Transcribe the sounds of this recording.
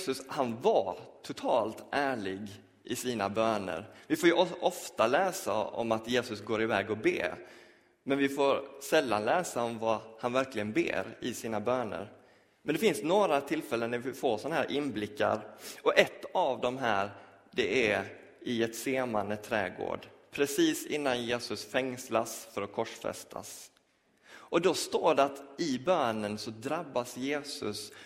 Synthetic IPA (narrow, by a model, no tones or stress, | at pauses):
sɵshanvat̪ʰʊt̪ʰɑːlt̪ʔæːɭɪɡ | ʔɪsiːnabøːnə̰ɾvɪfoːɾjɵʔɔʔɔft̪alɛːsa̰ɔ̰mat̪jeːsɵsɡoːɾɪvɛːɡɔbḛː | mɛnvɪfoːɾsɛlːa̰nlɛːsaɔmvahanvæɾklɪɡənbḛːɾɪsiːnabøːnə̰ɾ | mɛnd̪ɛfɪnsnoːɾat̪ʰɪlfɛlːənːæɾvɪfoːsɔnaɦæːɾʔɪnːblɪkːa̰ɾɔʔɛt̪ːavd̪ɔmɦæːɾ | dɛæ | ɪɛt̪seːmanət̪ʰɾɛ̰ːɡo̰ːɖpʰɾɛsiːsɪnːanjeːsɵsfɛŋslasfœɾɔkʰɔʂfɛ̰st̪ʰa̰s | ʔɔd̪ɔst̪oːɖɛat̪ɪbøːnənsɔd̪ɾabːasjeːsɵ̰s